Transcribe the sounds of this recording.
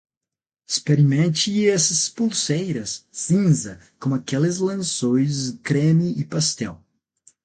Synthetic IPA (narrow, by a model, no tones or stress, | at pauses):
ispeɾimẽnt͡ʃɪiɛsɐspolsejɾɐssĩzɐ | kõmʊakɛlɪzlɐ̃sõjzkɾẽmiːpast̪ɛ̰w